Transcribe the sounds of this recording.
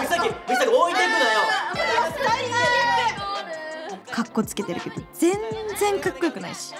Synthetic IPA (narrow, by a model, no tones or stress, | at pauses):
sakʲimisakioĩt̪ekɯ̃nojo | kʰakːo̞t͡sɨ̥ke̞t̪eɾɯ̟ke̞d̪o̞d͡zẽ̞nd͡zẽ̞ŋkakːo̞jokɯ̟naḭɕi̥